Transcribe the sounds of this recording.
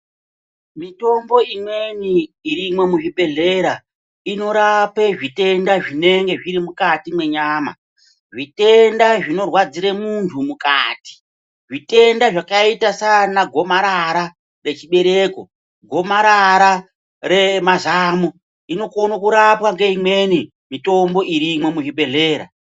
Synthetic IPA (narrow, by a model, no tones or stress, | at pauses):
mito̞mbo̞imwe̞niːɾimwe̞muʐibʱe̞ɮe̞ːɾa | ino̞ɾapeʐite̞ndaʐine̞ŋɡe̞ʐiɾimukatimwe̞ɲaːma̰ | ʐite̞ndaʐino̞rwad͡ziɾemuntʰumuka̰ːti̥ | ʐite̞ndaʐakaitasanaɡʱo̞maɾaɾa | re̞t͡ʃiɓe̞ɾe̞ːko̞̰ | ɡʱo̞maɾaɾa | re̞mazaːmu | ino̞konokuɾapwaŋɡe̞imwe̞ni | mito̞mbo̞ʔiɾimwe̞muʐibe̞ɮe̞ːɾa̰